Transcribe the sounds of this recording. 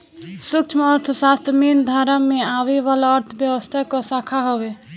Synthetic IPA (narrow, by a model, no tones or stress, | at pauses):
sukt͡ʃʰməɾt̪ʰsast̪mind̪ʱaɾəmːeaʋeʋalaəɾt̪ʰbjəʋəst̪ʰakɔsakʰaɦobe